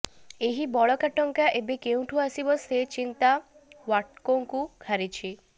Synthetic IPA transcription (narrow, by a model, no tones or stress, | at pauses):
eɦibɔɭɔkaʈɔŋkaʔebekew̃ʈʰuasibɔset͡ʃint̪a | waʈkoŋkuɡʱaɾit͡ʃʰi